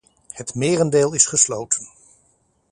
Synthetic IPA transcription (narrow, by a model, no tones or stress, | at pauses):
hətmɪːrəndeːlˠɪsχəslowtʰən